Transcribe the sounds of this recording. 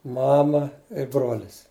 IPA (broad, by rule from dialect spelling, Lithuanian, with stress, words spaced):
ˈmɑːmɐ ɪ ˈbroːlʲɪs